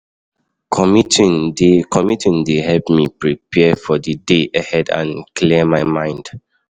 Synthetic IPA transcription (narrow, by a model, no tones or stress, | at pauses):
kʰɔmitindekʰɔmitĩndehɛlpmipɹipʰɛəfɔdədeʔahɛdã̰nkʰlimajmãɪ̃nd̥